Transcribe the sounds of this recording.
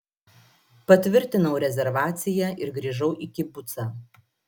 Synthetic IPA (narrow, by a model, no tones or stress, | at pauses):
pɐt̪ʲʋʲɪɾʲt̪ʲɪnɐʊɾʲɛzʲɛɾʋɑːt̪sʲɪjɛʔɪɾɡɾʲiːʒɐʊʔɪkʲɪbʊt̪sɑ